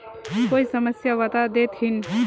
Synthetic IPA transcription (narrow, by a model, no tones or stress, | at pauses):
koisəməsjaʋat̪ad̪et̪ʰɦin